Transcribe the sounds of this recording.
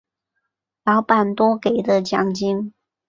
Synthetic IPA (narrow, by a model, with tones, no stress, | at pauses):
lɑ˧˥ʊpa˨˩nt̪wɔ˥ke˨˩ɪd̪ə˦t͡ɕjɑ˨˩ŋt͡ɕi˥ŋ